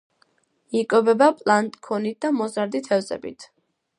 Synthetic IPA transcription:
ikʼwɔbɛbapʼlˠant̪ʼkʰɔnit̪̚d̪amɔzaɾd̪it̪ʰɛvzɛ̰bḭt̪ʰ

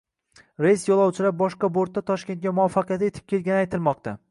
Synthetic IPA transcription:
ɾejsjɒlˠɒwt͡ʃʰɪlap̚bɒʃqɑboɾt̪̚ːat̪ʰɒʃkʲe̞nt̪̚ɡʲamʊɒfːɑqɨjat̪ɪe̞t̪ʰɪ̥p̚kʲe̞lɡʲanɪajt̪ʰɪlˠmɒqt̪a

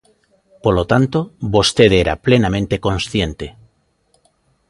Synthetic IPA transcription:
polot̪ant̪obost̪eðeɾa̰plenamẽnt̪e̞ko̞nsθje̞nt̪e

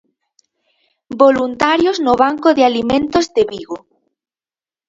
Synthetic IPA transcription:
bolunt̪aɾjoznoβaŋkoðealimẽnt̪ozd̪eβiɣo

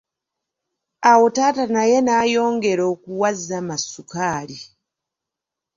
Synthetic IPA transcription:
awotatanajenajoːŋɡeɾokuwazamasukaːli

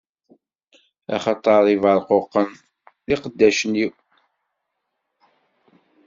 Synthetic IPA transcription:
æ̰χɑt̪ˤːɑɾˤivəɾˤqoqːən | ðiqəd̪ːæʃəniw

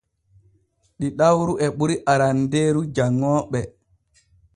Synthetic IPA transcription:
ɗiɗawɾuʔɛɓuɾiʔaɾandeːɾud͡ʒaŋːɔːɓɛ

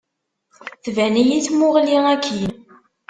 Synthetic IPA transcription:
θvænijit͡sːmʊʁliækʰːin

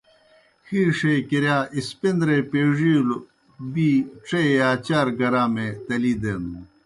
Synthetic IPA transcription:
xiːʂekiɾjaːʔispind̪ɾepeːʐil | biːʈ͡ʂejaːt͡ɕaːɾɡɐɾaːmet̪ɐliːd̪enu

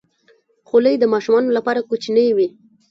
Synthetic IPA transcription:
xoləjd̪əmɑʃumɑnolapɑɾakut͡ʃinəjwi

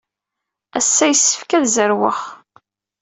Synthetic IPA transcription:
æsːæjəsːə̥fkæðzəɾwə̰χ

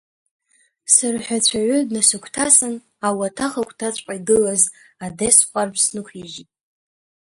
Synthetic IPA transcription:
sɨrħʷᶣat͡ɕʷʰaʕʷʏdnasɨkʷʰtʰasɨn | awatʰaχakʷʰʼtʰat͡ɕʷʼqʼaiɡɨlazadesχʷarpʰsnɨkʷʰiʒitʼ

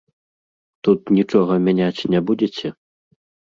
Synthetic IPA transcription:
t̪ut̪nʲit͡ʂɔɣɐmʲanʲat͡sʲnʲɛbud͡zʲet͡sʲɛ

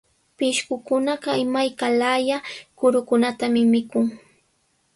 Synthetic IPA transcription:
pɪʃkʊkʊnɑɢɑɪmajkalajakʊɾʊkʊnat̪amɪmɪkʊŋ

